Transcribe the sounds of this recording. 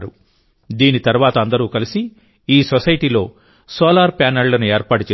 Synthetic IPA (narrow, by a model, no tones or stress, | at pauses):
ɾu | d̪iːnit̪ɐɾuʋaːt̪ɐɐnd̪ɐɾuːkɐlisi | iːsɔsɐjʈiːlo̞ː | soːlaːɾpaːnɐɭlɐnue̞ːɾpaːʈut͡ʃe